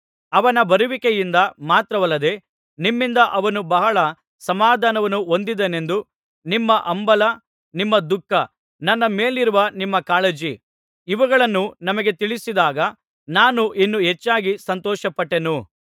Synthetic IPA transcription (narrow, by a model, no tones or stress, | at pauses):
ɐʋɐnɐbɐɾuʋikejind̪ɐmaːt̪ɾɐʋɐlːɐd̪e̞ | nimːind̪ɐʔɐʋɐnubɐɦɐɭɐ | sɐmaːd̪ʱaːnɐʋɐnːuo̞nd̪id̪ene̞nd̪u | nimːɐʔɐmbɐlɐ | nimːɐd̪ukːɐ | nɐnːɐme̞ːliɾuʋɐnimːɐkaːled͡ʒi | iʋɐɡɐɭɐnːunɐmɐɡe̞t̪iɭisid̪aːɡɐ | naːnuʔinːuɦet͡ʃːaːɡisɐnt̪ɔːʃɐpɐʈːe̞nu